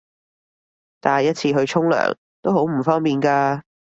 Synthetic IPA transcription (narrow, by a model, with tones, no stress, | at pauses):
t̪aː˨jɐ˥t̚t͡sʰiː˧ɦɵ˧ɥt͡ʃʰʊ˥ŋlœ̰ː˨˩ŋ | t̪o˥wɦo˨˥wm̩˨˩fɔː˥ŋpiː˨nkaː˧